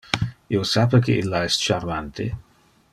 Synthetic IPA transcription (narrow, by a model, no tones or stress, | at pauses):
iosapekʰḛʔilːaɛst͡ʃarmant̪ʰḛ